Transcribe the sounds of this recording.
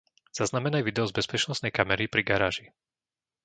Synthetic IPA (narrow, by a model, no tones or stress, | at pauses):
z̥aznamɛnajʋid̪ɛɔzbɛspɛt͡ʃnɔsnɛjkamɛɾipɾiɡaɾaːʒi